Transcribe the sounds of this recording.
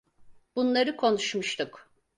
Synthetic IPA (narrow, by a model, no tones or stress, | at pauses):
b̥unlˠaɾɯkʰo̞nuʃmuʃt̪ʰuk